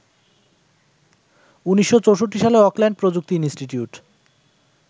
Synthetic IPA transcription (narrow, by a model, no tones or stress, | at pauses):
uniʃːot͡ɕowʃoʈːiʃaleɔklɛɳɖ̚pɾod͡ʑuk̚t̪inisʈiʈiuʈ